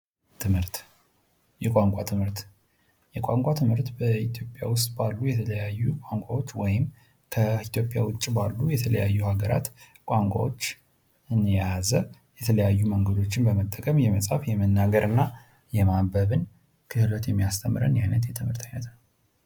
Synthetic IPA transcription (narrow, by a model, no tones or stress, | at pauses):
t̪ʰɨmhɨɾt̪ | jɛkʼaŋkʷʼat̪ʰɨmhɨɾt̪ | jɛkʷʼaŋkʷʼat̪ʰɨmhɨɾt̪bəit̪ʰjo̞pʼjawʊst̪ʼbalːujɛt̪ʰələjajːukʷʼaŋkʷʼawot͡ʃːwɔjɪm | kʰəit̪jopʼːja̰wʊt͡ʃʼːbalːujɛt̪ʰələ̰jajːuhaɡəɾa̰t̪ | kʷʼaŋkʷʼa̰wot͡ʃː | ɨnjazə | jɛt̪ʰələjajːuməŋɡəd̪o̞t͡ʃːɪnbəmət̪ʼːəkʼəmjɛməsʼafjɛmənːaɡəɾʔɨnːa | jɛmabəβɨn | kʰɨhɨlət̪jɛmːijast̪ʰəmːɨɾə̰njajnət̪jɛt̪ʰɨmhɨɾt̪ʰajnət̪nəw